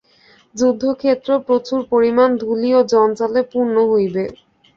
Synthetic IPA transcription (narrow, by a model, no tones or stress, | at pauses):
d͡ʑud̪ʱːokʰet̪ːɾopɾot͡ɕuɾpoɾimand̪ʱuliod͡ʑɔnt͡ɕalepuɾnoɦojbe